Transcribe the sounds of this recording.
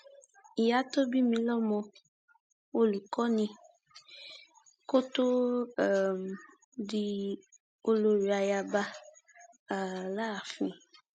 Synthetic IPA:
i˨ja˨˦t̪o˦bi˦mĩ˧lɔ˦mɔ̃˧ | wo˦li˨kɔ˦nĩ˧ | ko˦t̪o˦˨ | m˨ | di˦ | o˦lo˨ɾi˨a˨ja˨ba˦˨ | la˦˨fĩ˨

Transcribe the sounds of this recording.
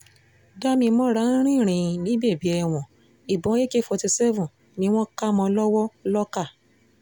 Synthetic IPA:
da˦mĩ˧mɔ̃˦ɾa˦ɾ̃ĩ˦˨ɾ̃ĩ˨nĩ˨˦be˦˨bi˨˦ɛ˧˨w̃ɔ̃˨ | i˨bɔ̃˨˦e˦ke˦fɔ˧ti˧sɛ˦vũ˨ | nĩ˨˦w̃ɔ̃˦ka˦mɔ̃˧lɔ˦wɔ˦lɔ˦ka˦˨

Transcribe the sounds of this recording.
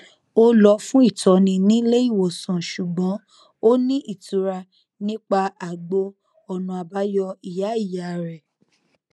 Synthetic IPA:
o˦lɔ˧fũ˦i˦˨tʰɔ˨nĩ˧nĩ˦le˦i˦˨wo˨sã˨ʃu˨ɡ͡bɔ̃˨˦ | o˦nĩ˦ʔi˦˨tu˨˦ɾa˧ | nĩ˦k͡pa˧a˨ɡ͡bo˧ | ɔ˧nũ˧a˧ba˦jɔ˧i˨ja˨˦i˦˨ja˨ɾɛ˨

